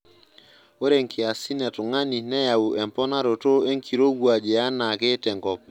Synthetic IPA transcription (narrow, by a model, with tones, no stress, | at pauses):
o˦ɾe˨ŋkʰɪ˨a˨si˦nɛ˨tʊ˨ŋa˦ni˨nɛ˦ja˨u˨ʔɛ˨mpɔ˦na˦ɾo˨to˦e˦ŋkʰi˨ɾo˦ɡwa˨d͡ʒe˨a˦na˨ke˦tɛ˨ŋɡɔ˨p̚